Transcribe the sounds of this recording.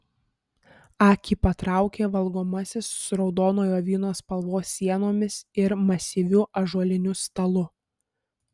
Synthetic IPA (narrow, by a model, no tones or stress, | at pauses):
ɑːkʲiːpɐt̪ɾɑˑʊkʲeːʋɐlˠɡoːmɐsʲɪssɾɒʊd̪oːnoːjoːʋʲiːnoːspɐlˠʋoːsʲːiɛnoːmʲɪsɪɾmɐsʲiːʋʲʊʔɐʒuɔlʲɪnʲʊst̪ɐlˠʊ